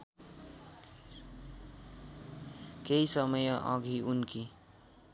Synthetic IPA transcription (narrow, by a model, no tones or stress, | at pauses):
keisʌmʌjʌʔʌ̰ɡʱiunki